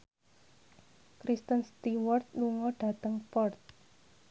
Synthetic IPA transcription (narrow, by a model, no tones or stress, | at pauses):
kɾist̪ənst̪iwɔrt̪̚nuŋɔɖ̥a̤t̪əŋpɔrt̪̚